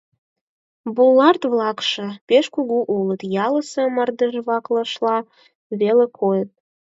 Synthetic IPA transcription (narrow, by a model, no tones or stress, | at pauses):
bulːɑrt̪βlɑkʃĕpeʃkuɣuʔulət̪jɑləsə̆mɑrd̪ərβɑkləʃlɑ | βelekʰojət̪̚